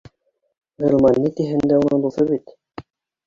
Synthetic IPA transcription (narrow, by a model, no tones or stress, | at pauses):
ʁɤlˠmɑnːit̪iɦɘ̆nd̪æunɤ̆d̪uθɤβit̪